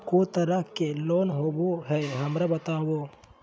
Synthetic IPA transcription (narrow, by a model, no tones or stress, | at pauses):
kot̪ɐɾəɦkeloːnɦoːboɦɛɦɐmɾabɐt̪aːwoː